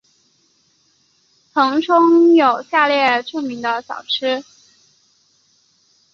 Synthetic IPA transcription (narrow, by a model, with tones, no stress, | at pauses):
t͡sʰɤ˧˥ŋʈ͡ʂʰʊ˥ŋjo˨˩ʊɕja˥˧ljɛ˥˧ʈ͡ʂʰu˥˩ŋmi˧˥ŋd̪ə˧ɕjɑ̰˨˩ʊʈ͡ʂ̩ʰ˥